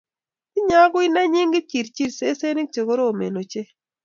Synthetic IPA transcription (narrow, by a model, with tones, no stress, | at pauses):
ɪ˦ɲa˦ɡʊ˦i˦na˦ɲi˦ŋɡi˦t͡ʃi˨ɾt͡ʃi˦˨ɾse˦se˦nɪ˦k̚t͡ʃe˨ɡo˦ɾoː˦˨mḛ˨no˨t͡ʃe˦